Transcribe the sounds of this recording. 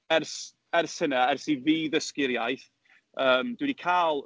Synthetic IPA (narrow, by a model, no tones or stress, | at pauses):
ɛrs | ɛrsənaɛrsiviːðəskɪɾjajθ | əːmd̥wɪnikʰaːlˠ